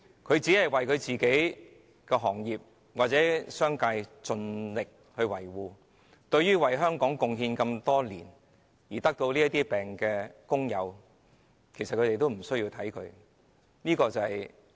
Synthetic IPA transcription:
kʰɵ˨˧ɥt͡siː˨˥hɐ˨jwɐ˨jkʰɵ˨˧t͡siː˨ke˨˥j | kɛː˧ɦɔː˨˩ŋjiː˨p̚ | waː˨˩t̚t͡sɛː˨˥sœː˥ŋkaː˧jt͡sɵ˧nlɪ˨k̚ | hɵ˧ɥwɐ˨˩jwuː˨ | t̪ɵ˧ɥjyː˥wɐ˨jɦœː˥ŋkɔː˨˥ŋkʊ˨˧ŋɦiː˧nkɐ˧mt̪ɔː˥liː˨˩n | jiː˨˩t̪ɐ˥k̚t̪o˧wliː˥ɐ˥t̪iː˥pɛː˨ŋkɛː˧kʊ˥ŋjɐ˨˧w | kʰe˨˩jsɐt̚kʰɵ˨˧ɾe˨jt̪o˥wm̩˨˩sɵ˥ɥjːiː˧wt̪ʰɐ˨˥jkʰɵ˨˧ɥ | niː˥kɔː˧t͡sɐ˨hɐɛ˨j

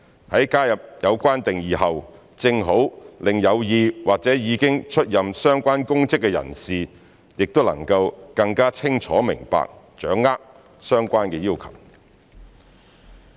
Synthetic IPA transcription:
hɐ˨˥jkaː˥jɐ˨p̚jɐ˨˧wkʷaː˥nt̪ɪ˨ŋjiː˨˩hɐ˨w | t͡sɪ˧ŋɦo˨˥wlɪ˨ŋjɐ˨˧wjiː˧waː˨k̚t͡sɛː˨˥jiː˨˧kɪ˥ŋt͡ʃʰɵ˥t̚jɐ˨msœː˥ŋkʷaː˥nkʊ˥ŋt͡sɪ˥kːɛ˧jɐ̰˨˩nsiː˨ | jɪ˨k̚t̪o˥lɐ̰˨˩ŋkɐ˧wkɐ˧ŋkaː˥t͡sʰɪ˥ŋt͡ʃʰɔ̰ː˨˥mɪ̰˨˩ŋpa̰ː˨k̚ | t͡ʃœː˨˥ŋːaː˥k̚ | sœː˥ŋkʷaː˥nkɛː˧jiː˥wkʰɐ˨˩w

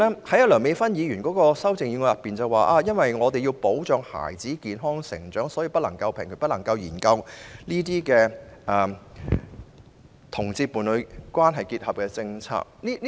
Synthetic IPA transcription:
ɛː˥hɐ˨˥jɐ˥tlœː˨˩ŋme˨˧jfɐ˥njiː˨˧jyː˨˩nkɔː˨˥kɔː˧sɐ˥wt͡sɪ˨ŋji˨˧ŋɔː˧jɐ˨pːiː˨nt͡sɐ˨waː˨ʔaː˧jɐ˥nwɐ˨jŋɔː˨˧t̪e˨ji˧wpo˨˥wt͡ʃœː˨˧ŋha̰ː˨˩jt͡siː˨˥kiː˨nɦɔː˥ŋsɪ̰˨˩ŋt͡ʃœː˨˥ŋsɔː˨˥jiː˧pɐ˥t̚lɐ˨˩ŋkɐ˧wpʰɪ˨˩ŋkʰɵ˨˩ptlɐ˨˩ŋkɐ˧wjiː˨˩nkɐ˧wniː˥t̪iː˥kɛː˧ʔɛː˨˩ | t̪ʰʊ˨˩ŋt͡siː˧pːuː˨˩nlɵ˨˧ɥkwaː˥nɦɐ˨jkiː˧t̚hɐ˨p̚kɛː˧t͡sɪ˧ŋt͡sʰa̰ː˧k̚niː˥

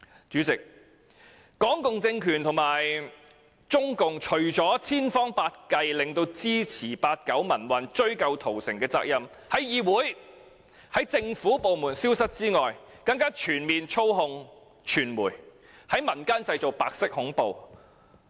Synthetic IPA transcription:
t͡ʃyː˨˥t͡sɪ˨k̚ | kɔː˨˥ŋkʊ˨ŋt͡sɪ˧ŋkʰyː˨˩nt̪ʰʊ˨˩ŋmaː˨˩j | t͡ʃt͡sʊ˥ŋkʊ˨ŋt͡ʃʰɵ˨˩ɥt͡sɔː˨˥t͡sʰiː˥nfɔː˥ŋpaː˧t̚kɐ˧jlɪ˨ŋt̪o˧wt͡siː˥t͡sʰiː˨˩paː˧t̚kɐ˨˥wmɐ˨˩nwɐ˨nt͡ʃɵ˥ɥkɐ˧wt̪ʰo˨˩wsɪ˨ŋkɛː˧t͡sa̰ː˧k̚jɐ˨m | hɐ˨˥jjiː˨wuː˨˥j | hɐ˨˥jt͡sɪ˧ŋfuː˨˥po˨wmuː˨˩nsiː˥wsɐ˥t̚t͡siː˥ŋɔː˨j | kɐ˧ŋkaː˥t͡ʃʰyː˨˩nmiː˨nt͡ʃʰo˥wɦʊ˨˧ŋ | t͡ʃʰyː˨˩nmuː˨˩j | hɐ˨˥jmɐ˨˩nkaː˥nt͡sɐ˧jt͡so˨˩paː˧k̚sɪ˥k̚hʊ˨˥ŋpo˨˧w

